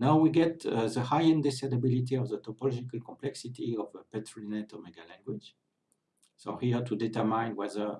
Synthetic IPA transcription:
nawwiɡɛtəðəhajɛ̃nd̪ɛsad̪abilit̪̬iɔvðət̪ɔpɔlɔd͡ʒikalkɔ̃mplɛksit̪ʰiɔvəpɛtʰɹinɛt̪omɛɡalɛ̃ŋɡwid͡ʒ | sohiətʰudɛt̪ə˞mãj̃nwɛðə˞

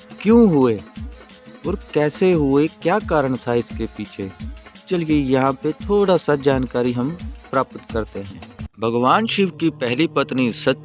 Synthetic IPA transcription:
kjõːɦʊe | ɔːɾkɛːseɦʊekjaːkaːɾəɽ̃t̪ʰaɪskepiːt͡ʃʰet͡ʃɐlijejɐɦãpet̪ʰoːɽasad͡ʒaːnkaːɾiɦɐmpɾaːpət̪kɐɾt̪eɦɛ̰̃ːbʱɐɡʋaːnʃɪʋkipɛɦlipɐt̪nisɐt̪

